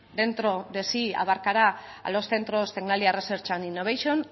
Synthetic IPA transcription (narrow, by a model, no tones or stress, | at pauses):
d̪e̞nt̪ɾo̞ðe̞sia̰βaɾkaɾa | a̰lo̞sθe̞nt̪ɾo̞st̪eɣnaliareseɾt͡ʃaninːoβ̞ajʃon